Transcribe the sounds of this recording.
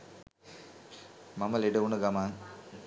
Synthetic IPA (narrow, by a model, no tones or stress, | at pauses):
mamɐleɖɐunɐɡamaːŋ